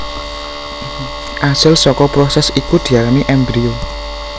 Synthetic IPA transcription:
ʔasɪlsɔkɔpɾɔsɛsikud̪̥i̤alamiʔɛmbɾio

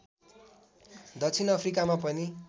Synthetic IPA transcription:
d̪ʌt͡sʰinʌpʰrikamapʌni

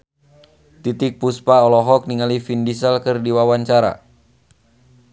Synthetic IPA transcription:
t̪it̪ɪk̚puspaɔlɔɦɔk̚niŋalifindisəlkərdiwawaɲt͡ʃaɾa̰

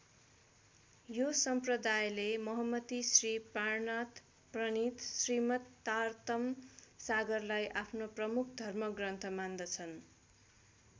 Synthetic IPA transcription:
josʌmprʌd̪ajlemʌɦʌmːʌt̪isriparnat̪ | prʌnit̪srimʌt̪ːart̪ʌmsaɡʌrlajʔapʰnoprʌmukʰd̪ʱʌrmʌɡrʌnt̪ʰʌmand̪ʌt͡sʰʌn

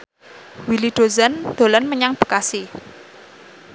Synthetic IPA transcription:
wiliɖ̪̥o̤zand̪̥o̤lanməɲaŋb̥ə̤̥kasi

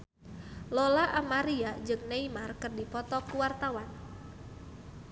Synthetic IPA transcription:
lɔlaʔamaɾiad͡ʒɨŋneimarkɨrdipɔt̪ɔkuwart̪awan

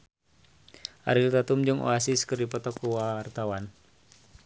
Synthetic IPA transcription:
ʔa̰ɾilt̪at̪umd͡ʒɨŋʔo̰asiskɨrdipɔt̪ɔkːuwart̪awan

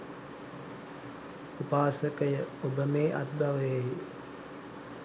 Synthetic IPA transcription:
upaːsəkəjəobəmeːʔa̰t̪̚baʋəjeɦi

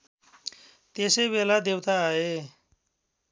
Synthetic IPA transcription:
t̪esejβelad̪ewt̪aʌe

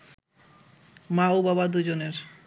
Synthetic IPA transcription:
maubabad̪ud͡ʑoneɾ

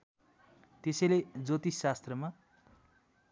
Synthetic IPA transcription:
t̪esʌjled͡zot̪isast̪rʌma

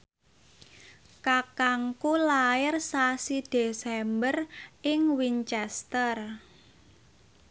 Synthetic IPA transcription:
kakaŋkulaɪrsasid̪̥e̤sɛmbərɪŋwiɲt͡ʃɛst̪ər

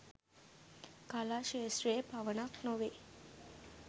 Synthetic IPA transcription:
kalaʃeːʃɾepaʋənaknoʋe

